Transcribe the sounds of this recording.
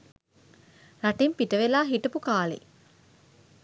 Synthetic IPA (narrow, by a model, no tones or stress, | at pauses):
ɾaʈempiʈəʋelaːɦiʈɐpukaːlḛ